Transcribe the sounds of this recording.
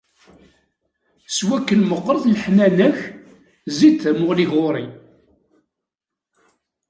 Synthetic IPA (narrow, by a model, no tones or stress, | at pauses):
swækːənməqːɾˤəðlħnænæç | zit͡s̪ːæmʊʁliʝoɾˤi